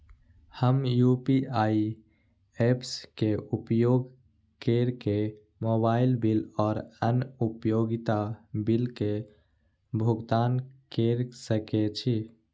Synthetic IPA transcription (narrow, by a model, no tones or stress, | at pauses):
həmjupiai | epskeupjoɡ | keɾke | mobailbilɔːɾənupjoɡit̪abilke | bʱuɡt̪ankeɾsəket͡ʃʰi